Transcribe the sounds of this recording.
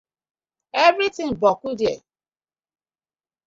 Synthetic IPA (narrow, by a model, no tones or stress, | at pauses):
evɾitɪ̃ŋbɔkude